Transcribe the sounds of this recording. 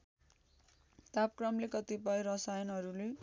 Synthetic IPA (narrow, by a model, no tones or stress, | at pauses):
t̪ap̚krʌmlekʌt̪ipʌjɾʌsajʌnɦʌɾule